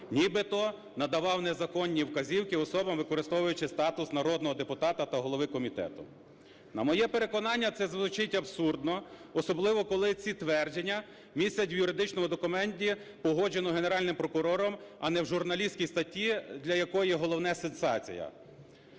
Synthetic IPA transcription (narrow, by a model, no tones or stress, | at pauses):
nʲibɪt̪ɔ | nɐd̪ɐʋɑwnɛzɐkɔnʲːiwkɐzʲiwkɪɔsɔbɐmʋɪkɔɾɪst̪ɔʋʊjʊt͡ʃɪst̪ɑt̪ʊsnɐɾɔd̪̚nɔɦɔd̪epʊt̪ɑt̪ɐt̪ɐɦɔlˠɔʋɪkɔmʲit̪ɛ̰t̪ʊ̰ | nɐmɔjɛpe̞ɾe̞kɔnɑnʲːɐt̪sɛzʋˠʊt͡ʃɪtʲɐbsurd̪nɔɔsɔblˠɪʋɔkɔlˠɪt͡sʲit̪ʋɛrd͡ʒenʲːɐ | mʲisʲɐtʲwjʊɾɪd̪ɪt͡ʃnɔmʊd̪ɔkʊmɛnʲtʲipɔɦɔd͡ʒenɔɦeneɾɑlʲnɪmpɾɔkʊɾɔɾɔmɐnɛwʒʊrnɐlʲisʲkʲijst̪ɐtʲːid̪lʲɐjɐkɔjiɦɔlˠɔwnɛsensɑ̰t͡sʲḭjɐ̰